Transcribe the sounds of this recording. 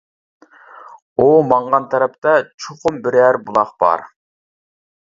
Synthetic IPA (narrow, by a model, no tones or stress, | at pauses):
omɑɴʁɑnt̪ʰɑɾɛp̚t̪ɑt͡ʃʰoχʊmbɪɾæɾbulˠɑqb̥ɑ̰ɾ